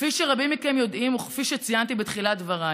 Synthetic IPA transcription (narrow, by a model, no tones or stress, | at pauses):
fiʃeʁabimikemjo̞dimoχfiʃet͡sijant̪ibet̪χiladvaʁa